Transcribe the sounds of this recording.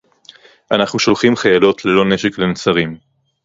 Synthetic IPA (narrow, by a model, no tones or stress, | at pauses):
ʔanaχnuʃo̞lχimχajalo̞tlelo̞ne̞ʃeklenot͡saʁim